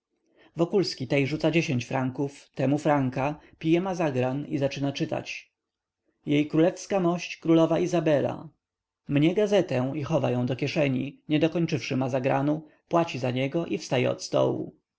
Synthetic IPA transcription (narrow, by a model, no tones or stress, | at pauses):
vɔkulskʲit̪ɛjʐut̪sad͡ʑeɕeɲt͡ɕfɾaŋkuft̪ɛmufɾaŋkapʲijɛmazaɡɾanizat͡ʂɘnat͡ʂɘt̪a̰t͡ɕ | jejkɾulɛfskamɔɕt͡ɕkɾulɔvaʔizabɛla̰ | mɲɛɡazɛt̪ɛixɔva̰jɔ̃w̃d̪ɔkʲɛʂɛɲiɲɛd̪ɔkɔɲt͡ʂɘfʂɘmazaɡɾa̰nu | pwat͡ɕizaɲɛɡɔʔifst̪ajɛ̰ɔ̰t̪st̪ɔ̰wṵ